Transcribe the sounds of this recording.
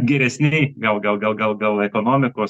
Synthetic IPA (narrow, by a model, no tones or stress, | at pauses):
ɡʲɛɾʲɛsʲnʲɛɪɡɐlˠɡɐlˠɡɐlˠɡɐlˠɡɐlˠɛkoːnoːmʲɪkoːs